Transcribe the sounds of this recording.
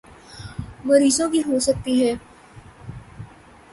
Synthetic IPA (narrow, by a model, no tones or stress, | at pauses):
məɾiːzõbʱiːɦosək̚t̪iɦɛː